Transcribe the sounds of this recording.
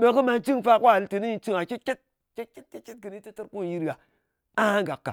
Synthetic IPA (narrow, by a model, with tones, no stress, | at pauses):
ɓe˨kɨ˦ma˧nt͡ʃi˦ŋ˨fa˦kʷːlte˨ni˦ji˧t͡ʃi˦ŋa˨ke˦t̚t͡ʃʲe˦t̚ | t͡ʃe˦t̚ke˦t̚ke˦t̚t͡ʃe˦t̚kɨ˨ni˦te˦tə˦ɾku˦˨ji˦ɾɡa˨ | a˦a˦ŋɡa˨kːa̰˨